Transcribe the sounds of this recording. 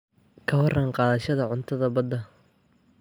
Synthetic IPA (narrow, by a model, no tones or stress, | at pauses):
kʰɐwɑraːŋqɑːðɐʃɐðɐʕʊnt̪ʰɐðɐbɐd̪ɐ